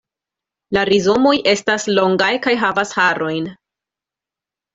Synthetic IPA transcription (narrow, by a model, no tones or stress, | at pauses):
laɾizo̞mo̞jʔe̞staslo̞ŋɡajkajɦavashaɾo̞jn